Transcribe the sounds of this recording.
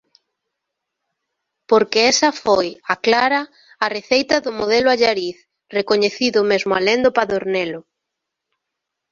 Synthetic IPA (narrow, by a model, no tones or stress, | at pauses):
poɾkeɛsɐfojaklaɾɐː | reθejt̪ɐðʊmoð̞ɛlʊaʎaɾiθ | rekoɲeθiðʊmezmʊa̰lend̪ʊpaðoɾnelʊ